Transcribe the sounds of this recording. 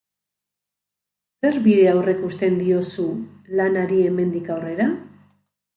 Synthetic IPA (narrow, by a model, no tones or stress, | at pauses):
se̞ɾβiðe̞awre̞kust̪e̞nd̪io̞sulanaɾie̞me̞nd̪ikawre̞ɾa